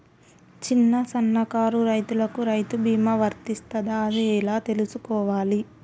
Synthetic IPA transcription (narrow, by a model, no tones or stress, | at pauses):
t͡ʃinːɐsɐnːɐkaːɾuɾɐjt̪ulɐkuɾɐjt̪ubiːmɐʋɐɾt̪ist̪ɐd̪ɐːd̪iɛlaːt̪e̞lusukɔːʋaːli